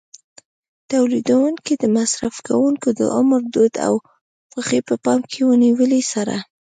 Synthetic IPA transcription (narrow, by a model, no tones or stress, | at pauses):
t̪awlid̪awuŋkid̪əmasɾafka̰wuŋkod̪ə̰ʔʊmɾd̪od̪a̰w | xaxepəpɑmkʰewəniwəlisaɾa̰